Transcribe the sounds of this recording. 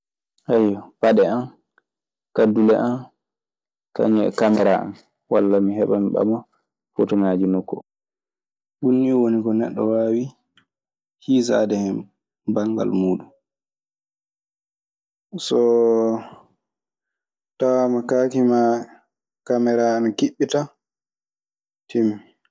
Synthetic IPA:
hajpaɗɛan | kadulɛʔan | ka̰ɲɛ̰kamɛɾaa̰n | walːamiɦɛɓamiɓa̰ma | fɔtɔmad͡ʒinɔkːɔ | bunːiwoniɡɔnɛɗːɔwaːwi | hisa̰dɛhɛm | baŋɡa̰lmuːɗum | sɔ | tawamakaːkima | kamɛɾaːnkiɓːita | tʰimi

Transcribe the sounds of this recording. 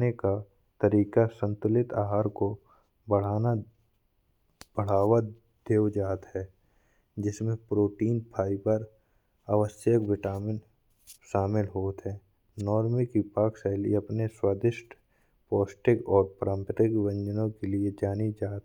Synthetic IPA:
neka | t̪əɾiːkasə̃nt̪ʊlɪt̪aːɦaːɾko | bəɽ̤aːna | b̥əɽ̤aːwa | d̪̥eːwd͡ʒaːt̪ɦɛː | d͡ʒɪsmẽpɾoːʈiːnpʰaːipəɾ | aʋəsjəkʋɪʈaːmɪn | ʃaːmɪlɦoːt̪ɦɛː | nɔːɾmikipaːksaɪlḭɐpneswaːd̪ɪʃʈ | pɔːsʈɪkɔːɾpɾãːmpəɾɪkʋə̃ɲd͡ʒənõkelied͡ʒaːnid͡ʒaːt̪

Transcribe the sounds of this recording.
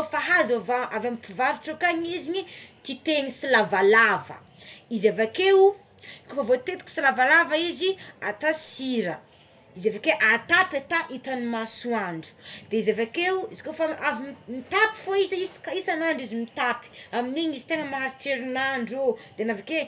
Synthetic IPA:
faɦazavaʔavamipivaɾuʈ͡ʂakaɲiziɲit̪it̪eŋisilavalavə̰ | izavakeu | kofavot̪et̪u̥ki̥silavalavaiziat̪asiɾə | izavakeʔat̪apat̪aʔit̪animasuaɳɖ͡ʐu̥d̪̥eizavakeuizi̥kofaavimit̪api̥foizaiskaisanaɳɖ͡ʐizimit̪api̥aminiɲizit̪eŋəmaɾiteɾinaɳɖ͡ʐod̪̥eanavake

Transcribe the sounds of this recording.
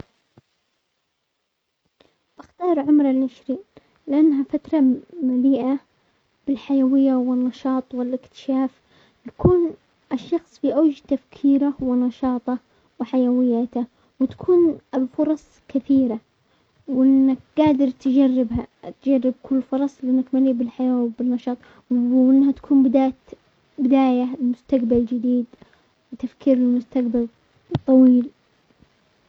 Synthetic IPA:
b̥ɪxt̪ɑːɾˤʕʊmɾˤɑlʔaʃɾiː | lɪʔanːɦafat̪ɾˤɑmaliːʔa | b̥ɪlħajawɪjːawɪnːɑʃɑːt̪ˤwɪlʔɪkt̪ɪ̥ʃaːf | jḁkʰuːn | ɪʃːɑxsˤfiʔawd͡ʒt̪afkʰiːɾawɪnɑʃɑːt̪ˤɑ | wɪħajawɪjːat̪a | wɪt̪ḁkʰuːnlfʊɾˤɑsˤkɪθiːɾa | wʔɪɪnːak̚ɡ̥aːd̪ɪɾt̪ɪd͡ʒarːɪbhat̪d͡ʒarːɪb̚kʰʊlːfʊɾˤɑsˤlʔɪnːakmaliːbɪlħajaːwbɪnːɑʃɑːt̪ˤ | wʔɪnːhat̪ḁkʰuːmbɪd̪aːt̪ | bɪd̪aːjaɪlmʊst̪aqbald͡ʒɪd̪iːd̪ | wɪt̪afkiːɾɪlmʊst̪aqbal | t̪ˤːɑwiːl

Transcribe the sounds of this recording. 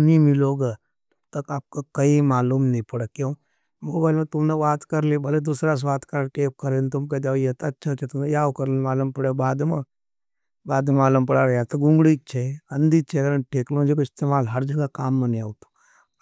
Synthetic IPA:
nimiloːɡə | ut̪əkaːp̚kokəimaːluːmnəipəɽəkjõ | moːbaːilmɐt̪umneʋaːt̪kəɾlibʱəled̪usɾas̬ʋaːt̪kaɾɾʈeːp̚kəɾent̪umked̪aʋjet̪ːtːt͡ʃʰat͡ʃʰet̪umnejaːʋkəɾlemaːlumpəɽebaːd̪mə | baːd̪maːlumpəɽaɾjat̪ɐɡũŋɡɽiːk̚t͡ʃʰeɐnd̪it͡ʃʰekəɾəɳʈʰeːklõnd͡ʒekoist̪emaːlɦəɾd͡ʒɐɡakaːmːəniaːwt̪o̥

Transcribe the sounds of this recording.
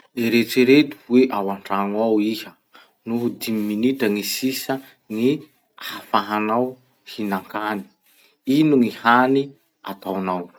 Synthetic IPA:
leɾet͡seɾet̪u̥weʔawaɳʈ͡ʂaŋawihə | nuɦd̪imiminitəŋisisə | ŋi | aafaɦanaw | hinaŋkani̥ | inuŋihani | a̰t̪awnaw

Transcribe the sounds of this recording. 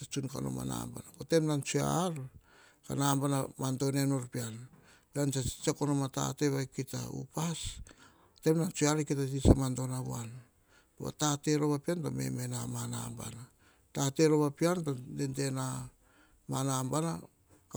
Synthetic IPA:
at͡ʃunka̰no̞̰ma̰na̰mba̰nakote̞mnant͡ʃua̰ɾ | kanambanamanto̞nenoɾpian | bansḁt͡ʃakonomata̰te̞βajkita̰ṵpas | te̞mnant͡ʃuaɾikitatit͡ʃamantonaβuan | toβa̰tate̞ɾo̞βapiantome̞̰me̞namana̰mba̰na | tate̞ɾoβapiantodente̞na | manambana | ka

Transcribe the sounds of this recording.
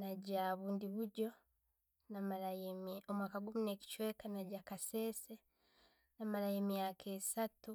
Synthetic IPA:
naɟaβuːndiβuɟo̞ | namalajemomwakaɡumune̞ci̥t͡ʃwe̞ːkanaɟakase̞ːse | namalajeːmjaːkʰesatu

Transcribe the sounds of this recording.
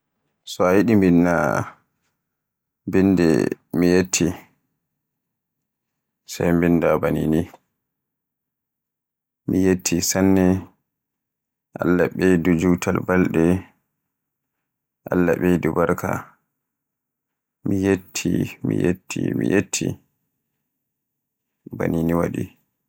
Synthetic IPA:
sɔajiɗimbinːa | bindɛ̰mijetʰːi | sajmbindabanini | mijetʰːisanːɛ | ʔalːaɓedud͡ʒutʰalbalɗɛ | ʔalːaɓedubaɾkʰa̰ | mijetʰːimḭjetʰːḭmḭjetʰːḭ | ba̰niniwaɗi

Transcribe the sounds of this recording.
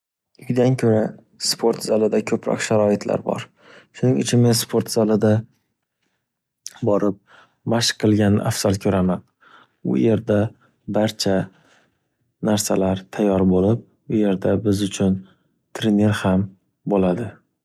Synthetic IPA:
ʊd̪ankʲʰɵɾa | spʰo̞ɾt̪z̥alɪd̪akʲʰɵpʰɾɒ̰kʃaɾɒɪt̪ʰla̰ɾbɒ̰ɾ | ʃʊnɪŋɪt͡ʃʰɪnmenspʰo̞ɾt̪z̥alɪd̪a | bɒɾɪp̚ | maʃqʰːɨlˠɡʲanɪ̰ʔafsalkʲʰɵɾaman | ʊ̰je̞ɾd̪a | baɾt͡ʃʰa | naɾsalaɾt̪ʰajːɒɾbolɪp̚ | ʊje̞ɾd̪abɪzʊt͡ʃʰʊn | t̪ʰɾene̞ɾham | bolad̪ɪ

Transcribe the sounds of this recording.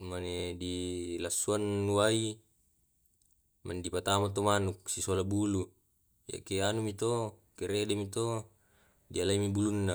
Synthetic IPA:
manedilasːuanːuai | ma̰ndipat̪amat̪̬omanuksisolabulu | ja̰ʔkeanumit̪o | keɾeʔdemit̪o | dialaimibulunːa

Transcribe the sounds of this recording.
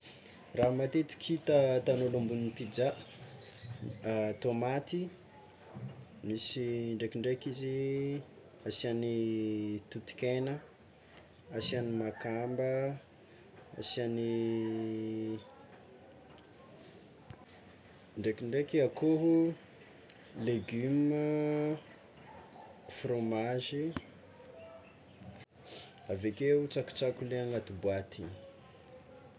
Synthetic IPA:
ramat̪et̪i̥kʰit̪ət̪anolumbuninipid͡ʒaə̥ | t̪omat̪i | misiɳɖ͡ʐekiɳɖ͡ʐekizi | asianit̪ut̪i̥kʲenə | asianimakambə | a̰sani | ɳɖ͡ʐekiɳɖ͡ʐekeakoɦu | leɡymə | fromaʒi | avekeut͡saku̥t͡sakuleaŋɡat̪ubwat̪i

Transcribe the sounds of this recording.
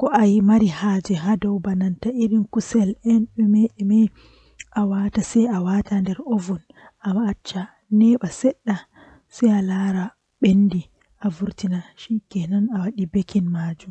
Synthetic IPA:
kɔʔajimaɾihaːd͡ʒɛɦadɔwbanantaʔiɾinkusɛlɛnɛmɛɛmɛ | ʔawatasɛjawatandɛɾovun | ʔamaːt͡ʃːa | nɛɓasɛɗːa | sɛjalaɾa | ɓendi | ʔavuɾtinaʃikɛnanawaɗibekinmad͡ʒum

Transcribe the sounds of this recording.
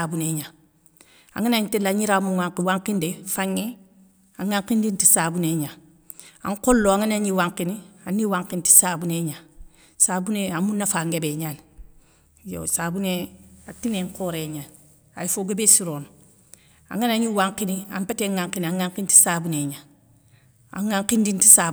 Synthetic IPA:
abuneɲa | a̰ŋanaɲtelaɲiɾaːmuŋaŋkiwaŋkindefaŋːe | aŋːaŋkindinti̥saːbuneɲa | a̰ŋkolːoaŋanaɲiwaŋkinianːiwaŋkinti̥saːbuneɲa | sabuneamunːafaːŋɡebeɲaːn | jo̰sabuneatineŋkoːɾeɲaːn | a̰jifoɡebesiɾoːn | a̰ŋanaɲiwaŋkinia̰mpeteŋːaŋkiniaŋaŋkinti̥saːbuneɲa | a̰ŋaŋkindinti̥sa

